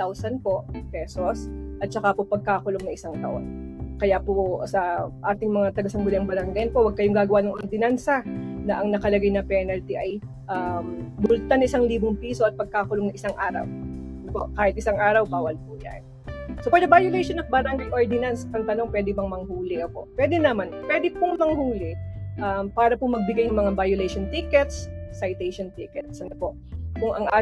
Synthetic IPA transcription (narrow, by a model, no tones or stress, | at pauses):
t̪awsɐnpo̞ʔpɛːsosʔɐt̪̚t͡ʃɐkapopɐɡ̚kaːkʊloŋnɐŋʔɪsaŋt̪ɐʔo̰nkɐjaposɐʔaːt̪ɪŋmɐŋat̪ɐɡɐsɐŋɡʊlɪɐŋbɐɾɐŋɡajnpowɐɡ̚kɐjoŋɡaːɡɐwanɐŋʔoɾd̪ɪnansɐnɐʔɐŋnɐkɐlɐɡajnɐpɛnɐlt̪iʔɐj | ʔɐmbʊlt̪anɐʔɪsaŋliːboŋpiːso̞ʔɐt̪̚pɐɡ̚kaːkʊloŋɐŋʔɪsaŋʔaːɾɐ̰wɐnopo̞̰ʔkaːhɪt̪ʔɪsaŋʔaːɾɐwbaːwɐlpʊja̰n | sopwɛd̪ɛbajʊlɛjʃonɐŋbɐɾaŋɡɐjʔoɹd̪ɪnanspɐŋt̪ɐno̞ŋpwɛːd̪ɪbɐŋmɐŋhuːlɪkɐpo̰ʔpwɛːd̪ɛnamanpwɛːd̪ɪpʊŋmɐŋhuːlɪʔɐmpaːɾɐpʊmɐɡ̚bɪɡajʊŋmɐŋabajʊlɛjʃont̪ikɛt̪sːɐjt̪ɛjʃont̪iːkɛt̪sɐnopo̞ʔkʊŋɐŋʔaː